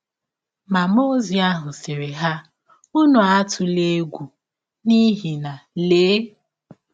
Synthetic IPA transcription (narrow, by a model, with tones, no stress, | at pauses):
ma˨mo˦zi˨a˦ɦʊ˨se˨ɾe˨ɦa˦ | u˦nu˨a˦tʰʊ˨le˦ɡʷu˨ | ni˦ɦi˨na˨leː˨˦